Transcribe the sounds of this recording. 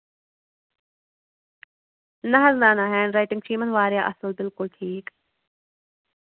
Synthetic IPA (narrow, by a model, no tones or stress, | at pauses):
nɐɦɐznaːnaɦɛ̃ːɳɖɾaɪʈɪ̃ŋɡt͡ʃiːmə̃nʋaːɾjaːʔɐsəlbɪlkʊlʈʰiːk